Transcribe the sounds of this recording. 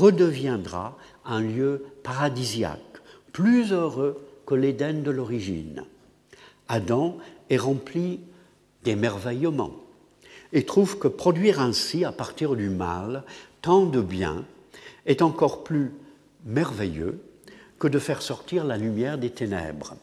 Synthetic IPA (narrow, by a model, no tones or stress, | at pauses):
ʁəd̪əvjɛ̃d̪ʁa̰ | ɛ̃ljøpaʁad̪izja̰kplyzøʁøkəled̪ɛnd̪əlɔʁiʒḭn | ad̪ɑ̃ɛʁɑ̃pli | d̪̥emɛʁvɛjmɑ̰̃ | et̪χuvkəpχɔd̪ɥiʁɛ̃siapaʁt̪iʁd̪yma̰lt̪ɑ̃d̪əbjɛ̰̃ | ɛt̪ɑ̃kɔʁply | mɛʁvɛjø̰kəd̪əfɛʁsɔʁt̪iʁlalymjɛʁd̪et̪enɛ̰bʁə